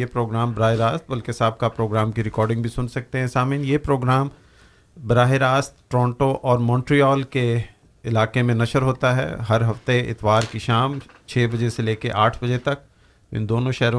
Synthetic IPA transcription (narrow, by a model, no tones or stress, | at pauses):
epɾoːɡɾaːmbɾaːɦeɾaːst̪̚bɐlkesaːb̚kapɾoːɡɾaːmkiɾɪkɔːɾɖɪ̃ŋɡbʱisʊnsɐk̚t̪eɦɛ̃saːmɪnjeːpɾoːɡɾaːm | bɾaːɦeɾaːst̪ʈɾɔ̃ːɳʈoʔɔːɾmɔ̃ːɳʈɾiɔːlke | ɪlaːkemẽnɐʃəɾɦoːt̪aɦɛ̰ːɦɐɾɦɐft̪eɪ̰t̪ʋaːɾkiʃaːm | t͡ʃʰeːbɐd͡ʒeseleːkeʔaːʈʰbɐd͡ʒet̪ɐk | ɪ̰̃nd̪oːnõʃɛːɾõ